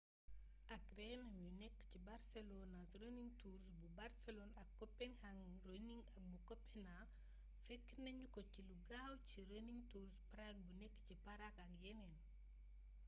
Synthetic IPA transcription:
ʔɐk̚rɛnɐmjunɛkːcibaɾselɔnasɾəniŋtuɾsbubaɾsɛlɔnɐkːɔpːɛnhaŋɾoniŋɐk̚bukɔpʰːɛna | fekːnɐɲukɔciluɡawt͡ʃiɾəniŋtuɾspaɾak̚bunɛkːcipaɾakɐkjɛnɛn

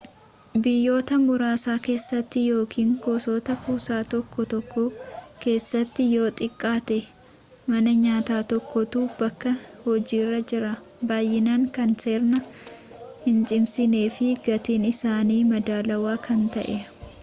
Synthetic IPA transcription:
bɪjːo̞ːt̪ɐmbʊɾaːsaːke̞ːsːɐt̪ːɪjo̞ːkʰiːŋkoso̞ːt̪ɐpuːsaːt̪ɔkːɔt̪ɔkːɔke̞ːsːɐt̪ːɪjo̞ːt̪ʼɪkʼːaːt̪ɛ | mɐnɐɲaːt̪aːt̪ɔkːɔt̪uːbɐkːɐhɔd͡ʒiːrːɐd͡ʒɪɾɐ | baːjːɪnaːŋkɐnse̞ːɾnɐ | hɪnt͡ʃʼɪmsɪne̞ːfɪɡɐt̪iːnɪsaːniːmɐd̪aːlɐwaːkʰɐnt̪ɐʔɛ

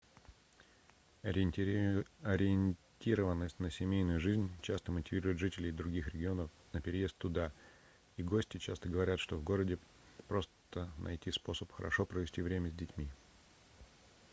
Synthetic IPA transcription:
ɐɾʲɪɪnʲtʲiɾəvənːəsʲtʲnəsʲɪmʲejnʊjʊʐɨzʲnʲt͡ɕast̪əmətʲɪvʲiɾʊjʊt̪ʐɨtʲɪlʲɪjd̪ɾʊɡʲixɾʲɪɡʲɪo̞nəf | nəpʲɪɾʲɪje̞st̪ːʊd̪a | iɡo̞sʲtʲɪt͡ɕast̪əɡəvɐɾʲat̪ʂt̪ovɡo̞ɾədʲɪ | pɾo̞st̪ənʔɐ̰jtʲispo̞səpxə̰ɾɐ̰ʂo̞pɾəvʲɪsʲtʲivɾʲemʲəzʲdʲɪtʲmʲi

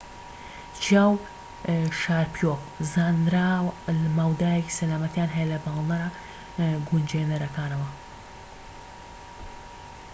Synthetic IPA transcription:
t͡ʃʰjaːw | ʃaːɾpjok | zaːnɾaːwlmaːwd̪aːjɛki̥sɐlaːmɐt̪jaːnɦɛjɐlɐbaːlˠnɐɾa | ɡund͡ʒenɐɾɐkaːnɐwɐ

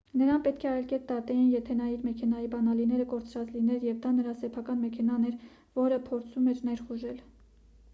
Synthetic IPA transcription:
nəɾɑnpɛt̪kʰɛɑjlkɛt̪̚d̪ɑt̪ɛjinjɛt̪ʰɛnɑjiɾmɛkʰɛnɑjibɑnɑlinɛɾəkɔɾt͡sʰɾɑt͡slinɛɾjɛvd̪ɑnəɾɑsɛpʰɑkɑnmɛkʰɛnɑnɛɾ | vɔɾəpʰɔɾt͡sʰumɛɾnɛɾχuʒɛl

